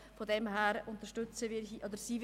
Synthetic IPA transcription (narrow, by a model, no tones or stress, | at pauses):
fodɛmɦæːɾʊnt̪əɾʃtʏt͡səvɪiʔɔd̪əɾsiːv